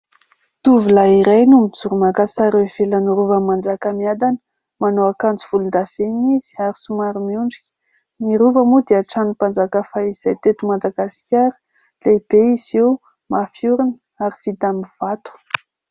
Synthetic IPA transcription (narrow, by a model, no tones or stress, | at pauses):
t̪uvulaiɾajnumid͡zuɾumakasaɾeev̥elanuɾuvamːand͡zakamiad̪anə̥ | manoakand͡zuv̥ulund̪av̥eniz̥i̥aɾisumaɾimiuɳɖ͡ʐikʲə̥ | niɾuvamud̪eaʈ͡ʂanupand͡zakafaiz̥ajt̪et̪umad̪aɡaskʲaɾi̥ | leb̥eizew | mafjuɾinə | aɾiv̥it̪amiv̥at̪u̥